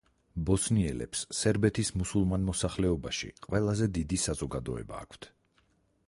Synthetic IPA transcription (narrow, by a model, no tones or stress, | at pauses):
bɔsniɛlɛ̰psːɛɾbɛt̪ʰismusulˠmanmɔsaχlɛɔbaʃḭqʼwɛlˠazɛd̪id̪isazɔɡad̪ɔ̰ɛ̰ba̰ːkʰt̪ʰ